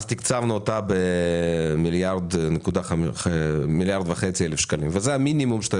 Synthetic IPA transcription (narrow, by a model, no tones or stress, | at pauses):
z̥t̪ikt͡savnuot̪abe | miljaʁd̪nekud̪a | miljaʁd̪vaχet͡sielefʃkalimvezeaminimumʃe̥t̪